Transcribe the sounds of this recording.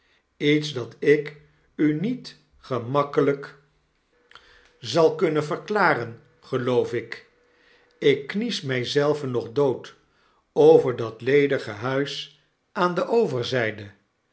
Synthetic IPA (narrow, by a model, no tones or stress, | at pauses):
itzdɑtɪk | ynit | χəmɑkələk | zɑlˠkɵnəvərklaːrən | χəlowfɪk | ɪkːnismɛjzɛlˠvənːɔχdowt | owvəɹdɑtlejdəχəɦœɥs | ʔaːndəʔowvəɹzɛjdə